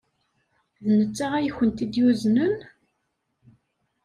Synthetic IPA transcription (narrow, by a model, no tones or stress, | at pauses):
ðnət͡sːaʁæjçənt̪id̪juznən